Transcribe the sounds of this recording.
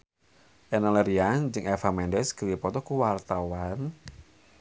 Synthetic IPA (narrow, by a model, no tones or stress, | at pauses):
ʔɛnaleɾiand͡ʒɨŋɛfamɛndɛsɡ̥əwipɔt̪ɔkuwart̪awan